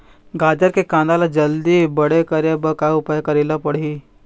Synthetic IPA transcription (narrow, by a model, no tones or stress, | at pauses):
ɡad̪əɾkekãnd̪alad͡ʒəld̪iːbəɽekəɾjabəkaupajkəɾilapəɽ̤iː